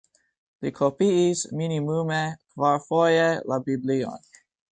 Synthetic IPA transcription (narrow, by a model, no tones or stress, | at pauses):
likʰopiisminimumekvaɹfɔjelabibliɔ̰n